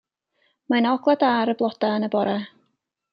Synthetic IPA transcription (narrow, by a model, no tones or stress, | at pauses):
manɔɡlˠadaɾəblˠɔd̥aənəbɔɾɛ